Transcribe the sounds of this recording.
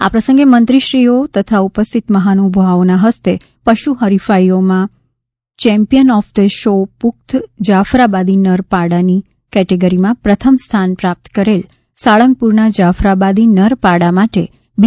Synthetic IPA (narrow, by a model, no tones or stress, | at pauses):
a̰pɾəsə̃ŋɡemənt̪ɾiʃɾiot̪ət̪ʰaupəst̪it̪məɦanubʱʋaonaɦəst̪e | pəʃuɦəɾifaiomã | t͡ʃɛ̃mpijənɔfd̪əʃopuk̚t̪d͡ʒafɾabad̪inəɾpaɽani | kɛʈeɡəɾimãpɾət̪ʰəmst̪ʰanpɾap̚t̪kəɾel | saɭəŋɡ̚puɾnad͡ʒafɾabad̪inəɾpaɽamaʈe | b